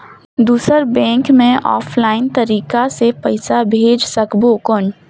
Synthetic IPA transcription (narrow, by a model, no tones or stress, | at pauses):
d̪uːsəɾbɛ̃ːŋkmẽʔɔ̰ːpʰlaːɪnt̪əɾiːkasepəɪsabʱeːd͡ʒsəkbokʊn